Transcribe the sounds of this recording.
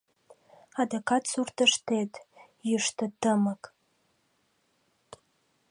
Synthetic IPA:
adokʰatʰsurtʰɨʂtʰejtʼ | jɪʂtʰɨtːɨmakʼ

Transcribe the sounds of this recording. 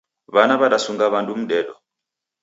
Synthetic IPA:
βanaβaɗasuŋɡaβandʼum̩ɗɛɗɔ̰

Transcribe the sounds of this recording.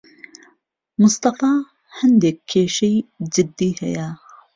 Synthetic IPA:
mʊst̪ɑfɑː | hand̪ekʰːeːʃijd͡ʒɪd̪ːiːhɐ̰ja

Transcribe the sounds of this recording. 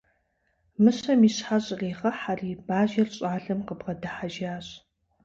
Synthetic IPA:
mɨɕɐmiːɕħaɕʼreːʁɐħariːbaːʒɐrɕʼaːɮɐmqəbʁɐdɐħaʒaːɕʼ

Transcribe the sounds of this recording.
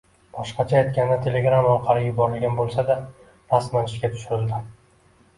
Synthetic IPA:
b̥ɒʃqɑt͡ʃʰaːjt̪̚kʲand̪at̪ʰe̞le̞ɡɾamɒqʰɑɾɪjʊbɒɾɪlɡʲanbolˠsad̪a | ɾasmanɪʃɡʲat̪ʰʊ̥ʃʊɾɪld̪ɪ

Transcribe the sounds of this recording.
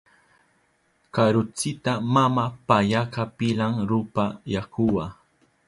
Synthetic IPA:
kaɾʊt͡sɪt̪amamapaʎakapɪlaŋɾʊpajakʊwa

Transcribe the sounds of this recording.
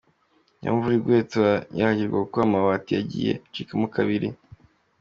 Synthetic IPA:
ja̰ɱvuɾiɡwe̞ːt͡sewajahaɟiɾɡwakukuɾamawatijaɟḭːjḛt͡ʃikamukʰaβiɾi

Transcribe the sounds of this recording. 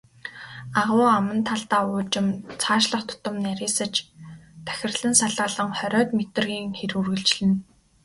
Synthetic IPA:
aʁʊːamə̆nt̪ʰaɬt̪aːʊːt͡ɕɪ̆mt͡sʰaːʃɮə̆χt̪ʰʊ̥t̪ə̆mnæɾʲiːsə̆t͡ɕt̪ʰæ̥xʲɪ̆rɮɘ̆nsaɮʁaːɮə̆ŋχœɾʲɔːt̪met̪ɘ̆rɣiːŋxeɾurɣɘ̆ɮt͡ɕɮɘ̆n

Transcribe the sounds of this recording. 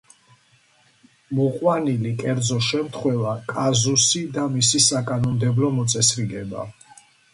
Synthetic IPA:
mɔqʼwanilikʼɛɾd̪zɔʃɛmt̪ʰχwɛvakʼazusid̪amisisakʼanɔmd̪ɛblɔmɔt̪sʼɛsɾiɡɛba̰

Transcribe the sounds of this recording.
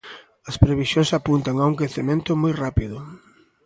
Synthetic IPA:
ɐspɾeβisjoŋsapunt̪aŋauŋkeθemẽnt̪ʊmojrapiðʊ

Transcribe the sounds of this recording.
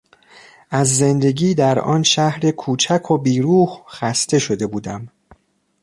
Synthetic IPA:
ʔæzːe̞nd̪e̞ɟiːd̪æɾɒ̰ːnʃæhɾe̞kʰuːt͡ʃʰækʰobiːɾuːhxæst̪e̞ʃo̞d̪e̞buːd̪æm

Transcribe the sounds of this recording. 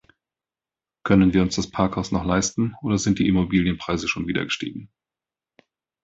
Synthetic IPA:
kʰœnənviːɐʊnsd̥aspʰaɐkhaʊsnɔχlaɪstn̩ʔoːdɐzɪnt̚d̥ḭːʔimobiːljənpʁ̥aɪzəʃoːnviːdɐ̰ɡəʃtḭːɡŋ̩

